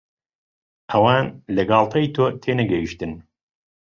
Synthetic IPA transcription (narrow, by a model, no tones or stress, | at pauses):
ʔɐwaːnlɐɡɑːlˠt̪ʰɐjt̪ʰoːt̪ʰeːnɐɡɐjiʃt̪ɨn